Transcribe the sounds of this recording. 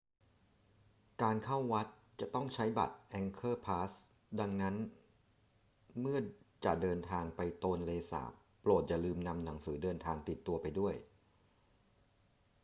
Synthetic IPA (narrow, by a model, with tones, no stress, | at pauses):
kaː˧nkʰa˥˩wːa˦˥t̪̚ | t͡ɕa˨˩t̪ɔ˥˩ŋt͡ɕʰa˦˥jba̰˨˩t̪̚ʔɛ˧ŋkʰɤː˥˩pʰaː˦˥s | da˧ŋna˦˥n | mɯ˥˩ɐt͡ɕa̰˨˩ʔdɤː˧nt̪ʰaː˧ŋpa˧jt̪oː˧nleː˧sa̰ː˩˦p | pːloː˨˩t̪̚t͡ɕa˨˩lɯː˧mna˧mna˩˦ŋsɯː˩˦dɤː˧nt̪ʰaː˧ŋt̪i˨˩t̪ːu˧ɐpa˧jdu˥˩əj